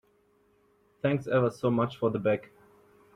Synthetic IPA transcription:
θæ̃ŋksɛvə˞soʊmat͡ʃfɔ˞ðəbæk

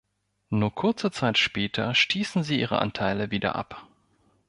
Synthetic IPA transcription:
nuːɐkʰʊɐt͡sət͡saɪtʃpɛːtʰɐʃtʰiːsn̩ziːʔiːʁ̞ə̰ʔa̰ntʰaɪləviːdɐ̰ʔa̰p

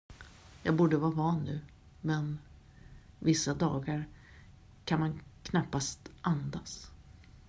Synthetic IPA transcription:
jɑːɡbuːɖəvɑːɾvɑːnːʉ̟ː | mɛn | vɪsːad̪ɑːɡaɾ | kʰanmankʰnapːast̪ʔand̪as

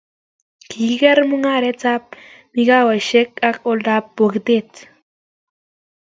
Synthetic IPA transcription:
kʰiɣeɾmuŋaɾet͡sap̚miɡawajʃekakold̪apːoɡd̪et̪

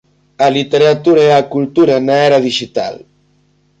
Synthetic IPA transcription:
alit̪eɾat̪uɾaeakult̪uɾanaɛɾaðiʒit̪a̰l

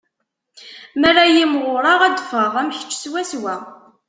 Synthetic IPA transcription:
mæræjimʁʊɾˤɑʁæd̪fəʁæmçə̥t͡ʃːswæswæ

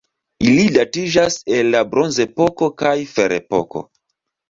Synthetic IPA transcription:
ilidatid͡ʒase̞lːabɾo̞nzepo̞ko̞kajfe̞ɾepo̰ko̞̰

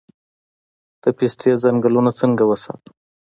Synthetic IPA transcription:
d̪̥əpist̪jezaŋɡalunat͡səŋɡawəsɑ̰t̪

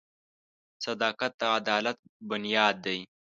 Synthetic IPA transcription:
sɐd̪ɑːkat̪̚ːaːd̪ɑːlat̪̚bʊnjɑːd̪ːɐj

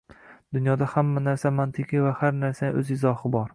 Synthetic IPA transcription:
d̪̥ʊnjɒd̪ahamːanaɾsamant̪ʰɪkʲivahaɾnaɾsanʔɵ̰zɪzɒhɪbɒɾ

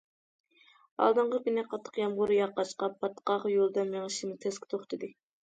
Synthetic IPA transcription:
ɑ̰lˠd̪ɨɴʁɑkʲynɛqʰɑt̪ʰːə̥qjɑmʁʊɾɨjɑqːɑʃqɑpʰːɑt̪ʰːqɑʁjolˠd̪ɑmeŋɨʃimɨt̪ʰɛskʲʰɪ̥t̪ʰoχt̪ʰɨd̪ɨ

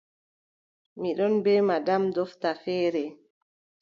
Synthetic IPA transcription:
miɗɔnbɛːmadamdɔftafɛːɾɛ

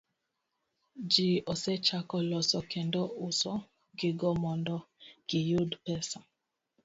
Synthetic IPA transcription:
d͡ʒiɔsɛt͡ʃakɔlɔsɔkɛndɔusɔ | ɡɪɡɔmɔndɔɡ̥ɪjudpɛsa

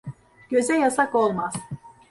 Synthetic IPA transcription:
ɟ̥ø̞zɛjasakolˠmaz̥

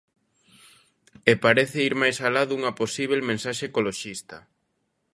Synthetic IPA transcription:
epaɾeθeiɾmajsalaðuŋɐposiβ̞elmẽnsaʃekoloʃist̪ɐ

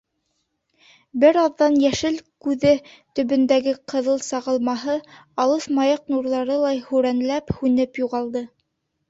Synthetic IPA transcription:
bɘɾɑðːɑnjæʃɘlkʉðɘt̪ɵ̆βɵ̆nd̪æɡɘqɤ̆ðɤlˠsɑʁɤ̆lˠmɑɦɤɑlˠɤθmɑjɑqnuɾlˠɑɾɤlˠɑjhʉɾænlæphʉnɘpjuʁɑlˠd̪ɤ

